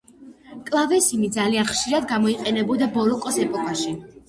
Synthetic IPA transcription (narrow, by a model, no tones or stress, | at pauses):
kʼlˠavɛsimid̪zalianχʃiɾad̪ɡamɔiqʼɛnɛbɔd̪abɔɾɔkʼɔsɛpʼɔkʼaʃi